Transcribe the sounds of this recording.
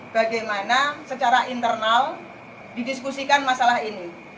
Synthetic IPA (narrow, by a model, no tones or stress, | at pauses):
b̥aɡajmanasət͡ʃaɾaʔint̪ərnal | didiskusikanmasalahini